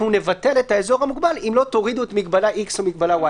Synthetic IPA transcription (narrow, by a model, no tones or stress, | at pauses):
une̞vate̞letaezo̞ʁamuɡbalimlo̞t̪o̞ʁiduet̪mikbalaʔiksomik̚balawa